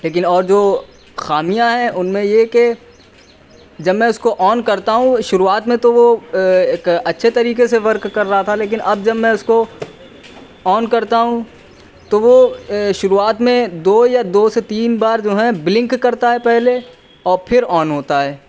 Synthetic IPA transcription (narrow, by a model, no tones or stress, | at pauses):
leːk̬ɪnɔːɾd͡ʒoː | xaːmijãɦɛ̃ʔʊnmẽjeke | d͡ʒɐbmɛ̃ːʊskoʔɔːnkɐɾt̪aɦũʃʊɾuaːt̪mẽt̪oʋoeːkɐtːʃʰet̪ɐɾiːkeseʋɐɾkːɐɾːɐɦat̪ʰaleːk̬ɪnʔɐb̚d͡ʒɐbmɛ̃ʊsko | ɔːnkɐɾt̪aɦũ | t̪oʋoʃʊɾuaːt̪mẽd̪oːjad̪oːset̪iːnbaːɾd͡ʒoːɦɛ̃blɪ̃ŋkːɐɾt̪aɦɛpɛɦle | ɔːɾpʰɪɾɔːnɦoːt̪aɦɛː